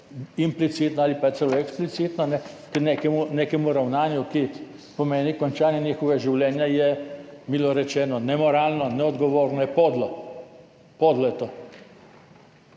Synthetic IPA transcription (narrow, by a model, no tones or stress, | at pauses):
implit̪siːt̪nɔaːlipat̪səlɔɛksplit̪siːt̪nɔnɛkneːkɛmuneːkɛmuɾawnaːnjuki | pɔmeːnikɔnt͡ʃaːnjɛniːxɔʋaʒiwlɛːnjajɛmiːlɔɾɛt͡ʃɛːnɔnɛmɔɾaːlnɔnɛɔd̪ɡɔʋoːɾnɔjɛpɔd̪lɔ | pɔd̪lɔjɛt̪o